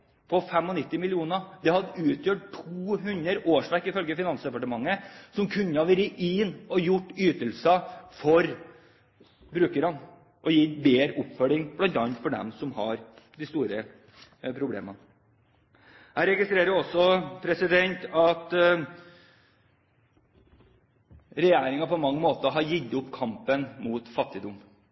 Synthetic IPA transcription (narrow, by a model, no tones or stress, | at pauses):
pʰɔfɛmːɔnɪt̪ːɪmɪlɪuːnəd̪ɛhɑd̪əʉːt̪ʰjøːʈʈʰːuuːɦʉnəɾʔoːʂʋækːɪfœlɡəfɪnɑnsd̪ɛpɑʈəmɑŋːəsɔmkʰʉnːəɑʋɛɾɪʔinɔjʊʈːyːt̪əlsəfɔɾ | bɾʉːkəɾɑn | ʔɔjiːbeːɾəʔʊpfœlɪŋb̥lɑnt̪ɑnt̪fɔɖɛ̰msɔmhɑ̰ɾd̪ɪst̪uːɾə | pʰɾʊblḛːmə | hæɪɾɛɡɪst̪ɾeːɾəɾɔsːɔpʰɾɛsɪd̪ɛnt̪ɑt̪ | ɾɛjæːɾɪŋɑpɔmɑŋːəmoːt̪əɦɑɾjɪd̪ʊpːkʰɑmpənmuːt̪fɑt̪ːɪd̪ʊm